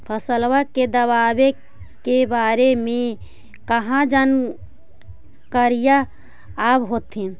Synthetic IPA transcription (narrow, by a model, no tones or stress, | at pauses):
pʰəsəlʋaked̪əβabe | kebaɾemẽ | kəɦãd͡ʒən | kəɾijaː | bɦot̪ɦin